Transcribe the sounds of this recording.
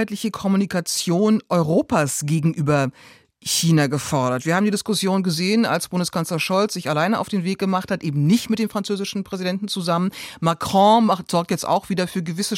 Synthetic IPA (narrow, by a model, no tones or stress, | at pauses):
aɪtlɪçəkʰɔmunikat͡sjoːnʔɔʏʁoːpaːsɡ̥eːɡŋ̩ʔyːbɐ | çiːnaɡəfɔɐɾɐtv̥iːɐaːbm̩didɪskʊsjoːnɡəzeːəna̰lsb̥ʊndəskʰanslɐʃɔlt͡sz̥ɪçalaɪnəʔaʊd̥eːnveːk̚ɡ̥əmaχthatʔeːbm̩nɪçtmɪt̚d̥eːmfʁ̥ant͡søːzɪʃn̩pʁ̥ɛzidɛntn̩t͡suzamənmakʁ̥ɔ̃maχtz̥ɔɐk̚tjɛt͡sta̰ʊxv̥iːdɐfyːɐɡəvɪsə